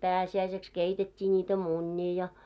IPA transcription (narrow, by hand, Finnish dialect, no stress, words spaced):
pæːsiæiseks keitetʲːiː n̆iːtæ munʲːiː jɑ